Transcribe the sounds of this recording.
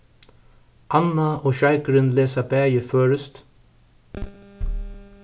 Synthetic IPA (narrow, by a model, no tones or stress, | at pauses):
ʔanːaoːʃajkɾɪnleːsabæːjɪføːɾʏst̪